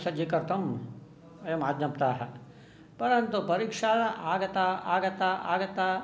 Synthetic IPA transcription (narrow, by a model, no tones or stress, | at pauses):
sɐd͡ʒekɐɾt̪ʰɐm | emaːd̪ʱjɐmt̪aːɦɛ | pɐɾənt̪upɐɾikʂaːlaʔaːɡt̪aaːɡɐt̪aʔa̰ːɡt̪a